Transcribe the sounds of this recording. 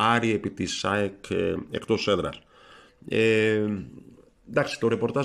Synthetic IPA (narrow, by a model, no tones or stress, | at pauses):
ɐɾiepit̪isaekḛkt̪oseðɾɐ̰ɾ | e | d̪aksi̥t̪o̞ɾepo̞ɾt̪ɐ